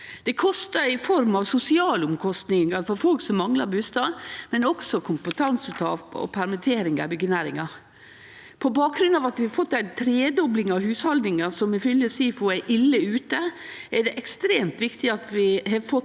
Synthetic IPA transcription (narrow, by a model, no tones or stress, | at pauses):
d̪̥ɛkʰɔst̪əɾɪfɔɾmɑʋsʊsɪɑːlʊmkʰɔst̪nɪŋɑɾfɔɾfɔlksɔmːɑŋlɑɾbʉːst̪ɑːd̪mɛnɔksɔkʰʊmpət̪ʰɑnsət̪ʰɑːpɔ̰pʰæɾmɛt̪ʰeːɾɪŋɑ̰bʏɡənæːɾɪŋɑ | pʰɔbɑːk̚ɾʉnːɑːʋɑt̪ʋɪhɑfɔt̪ːæɪnt̪ʰɾeːd̪ɔblɪŋɑhʉːshɑld̪nɪŋɑsɔmɪfʏlːjəsiːfʊæʔɪlːəʉːt̪əæɖɛʔɛkst̪ɾeːmt̪ʋɪkt̪ɪɑt̪ʋɪhɑɾfɔt̪